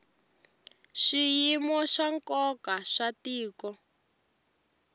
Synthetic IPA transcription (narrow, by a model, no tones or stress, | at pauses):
ʃijimɔʃaŋkɔkaʃatiːkɔ